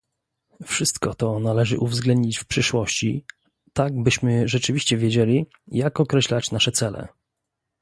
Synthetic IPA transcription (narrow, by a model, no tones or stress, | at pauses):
fʂɘst̪kɔt̪ɔnalɛʐɘ̰ʔuvzɡlɛnd̪ɲit͡ɕfpʂɘʂwɔɕt͡ɕi | t̪aɡbɘɕmɘʐɛt͡ʂɘvʲiɕt͡ɕɛvʲjed͡ʑelʲi | jakɔkɾɛɕlat͡ɕnaʂɛt̪sɛlɛ̰